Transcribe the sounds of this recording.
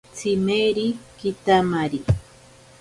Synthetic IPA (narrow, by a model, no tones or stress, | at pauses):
t͡simeɾikit̪amaɾi